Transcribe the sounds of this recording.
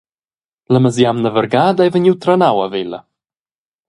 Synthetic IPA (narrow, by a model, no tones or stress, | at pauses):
ləməzjamnəvəɾɡaːd̪ajvəɲʲiwt̪ɾanawavelə̰